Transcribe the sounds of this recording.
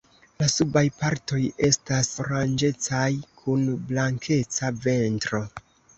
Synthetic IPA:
lasubajpaɾto̞je̞stasoɾand͡ʒe̞t͡sajkʰunblaŋkʰe̞t͡save̞ntɾo̞

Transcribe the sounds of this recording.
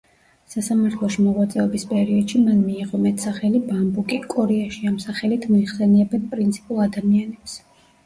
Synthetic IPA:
sasamaɾt̪ʰlˠɔʃimɔʁwat̪sʼɛɔbispʼɛɾiɔd̪̥ʃimanmiːʁɔmɛt̪ʰsaχɛlibambukʼikʼɔɾɛaʃiamsaχɛlit̪ʰmɔiχsɛnɛːbɛnpʼɾint̪sʰi̥pʼulˠad̪amianɛps

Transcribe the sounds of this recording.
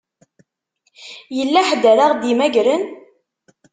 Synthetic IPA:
jəlːæħəd̪æɾaʁd̪imæɡɾən

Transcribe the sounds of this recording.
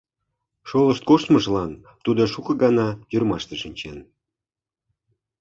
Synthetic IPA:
ʃolə̆ʃt̪̚koʃt̪məʒlɑn | t̪ud̪ŏʃukɤ̆ɡɑnɑj̪yrmɑʃt̪ĕʃinʲt͡ɕen

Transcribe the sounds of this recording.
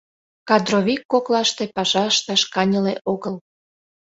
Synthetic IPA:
kɑd̪roβʲikːoklɑʃt̪epɑʃɑəʃt̪ɑʃkɑnʲəleʔoɣəl

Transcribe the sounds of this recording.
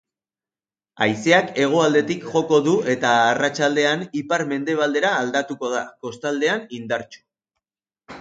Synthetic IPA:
a̰jseake̞ɣ̞o̞ald̪e̞t̪ikʝo̞ko̞ðue̞t̪aːrat͡ʃald̪e̞anipaɾme̞nd̪e̞β̞ald̪e̞ɾaːld̪at̪uko̞ð̞ako̞st̪ald̪e̞anind̪aɾt͡ʃu̥

